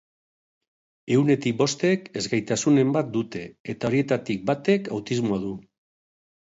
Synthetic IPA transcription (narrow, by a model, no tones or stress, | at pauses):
e̞wne̞t̪ik̚bo̞st̪e̞ke̞zɣajt̪asune̞mbat̪̚d̪ut̪e̞et̪aɾie̞t̪at̪ik̚bat̪e̞kawt̪izmoaðu